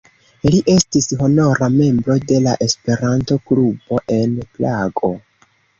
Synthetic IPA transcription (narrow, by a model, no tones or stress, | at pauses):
liʔe̞stisho̞no̞ɾame̞mbɾo̞de̞laʔespe̞ɾanto̞klubo̞ʔe̞nplaɡo̞